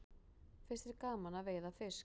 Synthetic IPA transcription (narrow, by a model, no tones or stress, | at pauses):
fɪ̥st̪ɪɾkaːmanaveːjðafɪ̥s